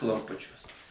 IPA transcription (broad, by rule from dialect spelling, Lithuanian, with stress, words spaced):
klˠɐmˈpʊt͡ʃʲuɔs